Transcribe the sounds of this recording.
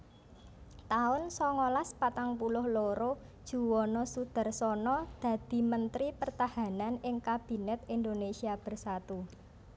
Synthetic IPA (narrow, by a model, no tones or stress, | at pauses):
t̪aʊnsɔŋɔlaspat̪aŋpulʊhloɾo | d̥ʒ̥ṳwɔnɔsud̪̥a̤rsɔnɔd̪̥ä̤d̪̥i̤mənt̪ɾipərt̪ahananɪŋkab̥i̤nɛt̪̚ind̪onesiab̥ə̤rsat̪u